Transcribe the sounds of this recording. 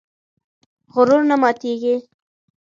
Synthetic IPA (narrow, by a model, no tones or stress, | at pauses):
ɣʊɾʊɾnamɑt̪eɡi